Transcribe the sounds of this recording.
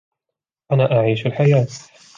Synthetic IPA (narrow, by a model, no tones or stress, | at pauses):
ʔanaːʔaʕiːʃalħajaː